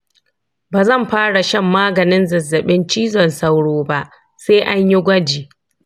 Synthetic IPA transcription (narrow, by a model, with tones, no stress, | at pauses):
baː˨zɐ˦˨mɸaː˦ɽa˨ʃɐ˦mːaː˦ɡɐ˨nɪ˦nzɐ˨zːɐ˨ɓɪ˦nt͡ʃiː˦zɔ˨nsa˦wɽoː˦ba˦ʔ | seː˦ʔa˦ɲji˦ɡʷɐ˦d͡ʒiː˨